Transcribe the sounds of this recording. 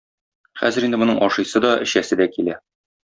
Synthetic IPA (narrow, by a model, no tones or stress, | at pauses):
χæ̰zɘ̆ɾind̪ɘmŏnɤɴʔɒʃɤ̆jsɤd̪ɒɘ̆ɕæsɘd̪ækilæ